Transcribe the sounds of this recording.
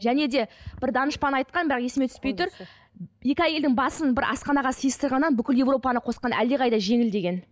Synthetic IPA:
ʒæne̞d̪e̞b̥ɪɾd̪ɑnəʃpɑnɑjt̪̚qɑnbɾɑqe̞sɪme̞t̪ʰʏ̥spe̞jt̪ʊɾ | je̞kʲɑjeld̪ɪŋbɑsənbɪɾʔɑ̰sqɑnɑʁɑsijəst̪əɾʁɑnːɑnbʏkʲɪlje̞vro̞pɑnəqʰo̞sqɑnʔæ̰ld̪eʁɑjd̪ɑʒe̞ŋɪld̪e̞ɡʲe̞n

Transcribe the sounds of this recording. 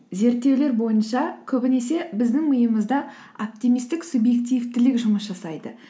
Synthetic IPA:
ze̞ɾt̪ːe̞wle̞ɾbo̞jənʃɑkʲʰɵbɪne̞se̞bɪzd̪ɪŋməjəməzd̪ɑ | op̚t̪imijst̪ɪksubje̞k̚t̪ijvt̪ɪlɪkʒʊməsʒɑsɑjd̪ə

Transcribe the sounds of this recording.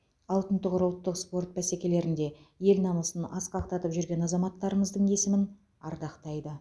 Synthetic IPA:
ɑlˠt̪ənt̪əqʊɾʊlˠt̪ːəqspo̞rt̪̚bæsekʲe̞le̞ɾɪnd̪e̞je̞lnɑnəsənɑsqɑq̚t̪ɑt̪əpʒʏɾɡʲe̞nɑzɑmɑt̪ːɑɾəɴəzd̪əɴe̞sɪmɪn | ɑɾd̪ɑqt̪ɑjd̪ə

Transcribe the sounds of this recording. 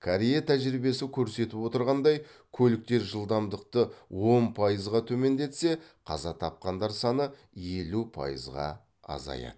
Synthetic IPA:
kʰaɾijet̪ʰæʒɾibe̞sɪkʲʰɵɾse̞t̪ɪpwo̞t̪əɾʁɑnd̪ɑjkʲʰɵlɪk̚t̪e̞ɾʒəlˠd̪ɑmd̪əq̚t̪əwo̞npʰɑjəzʁɑt̪ʰɵme̞nd̪e̞t̪se̞qʰɑ̰zɑt̪ʰɑp̚qɑnd̪ɑɾsɑnə | je̞lupʰɑ̰jə̰zʁɑ̰ | ɑ̰zɑ̰jɑ̰d̪ə

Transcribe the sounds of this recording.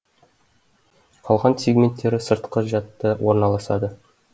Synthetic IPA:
qʰɑlˠʁɑnsʲeɡmʲe̞nt̪ʰːe̞ɾɪsə̆ɾt̪qəʒɑt̪ːəwoɾnɑlˠɑsɑd̪ə

